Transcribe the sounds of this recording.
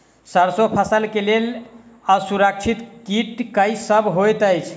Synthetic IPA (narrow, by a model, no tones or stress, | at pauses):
səɾsopʰasəlkeleləsuɾək̚t͡ʃʰit̪kiʈkəjsəbɦojt̪əjt͡ʃʰ